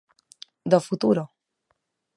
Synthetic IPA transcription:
d̪ɔfut̪uɾɔ

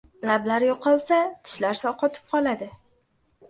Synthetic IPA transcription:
lablaɾjoqʰɒlˠsat̪ʰɪ̥ʃlaɾsɒqɒt̪ʰɪ̥p̚qʰɒlˠad̪ɪ

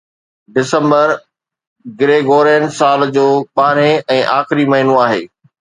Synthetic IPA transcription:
ɖɪsə̃mbəɾ | ɡɪɾeːɡoːɾeːnsaːld͡ʑoːɓaːɾeɛ̃ːʔaːxɪɾimɐɦɪnõaːɦeː

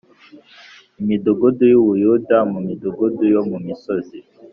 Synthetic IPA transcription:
imidoɡudujoβujudamumidoɡudujomumisozi

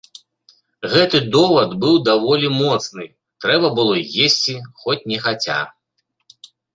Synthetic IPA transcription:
ɣɛt̪ɨd̪ɔvɐd̪bɨwd̪avɔlʲimɔt̪snɨ | t̪ɾɛbɐbɨlˠɔjesʲt͡sʲixɔt͡sʲnʲɛxat͡sʲa̰

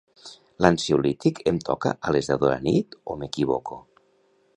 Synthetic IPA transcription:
lansiulit̪ikʰemt̪ʰɔka̰ʔalezðaðoɾa̰nit̪omekiβoko

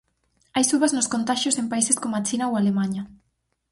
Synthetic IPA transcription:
ajsuβaznʊskont̪aʃosempaiseskomoat͡ʃinaoalemaɲɐ

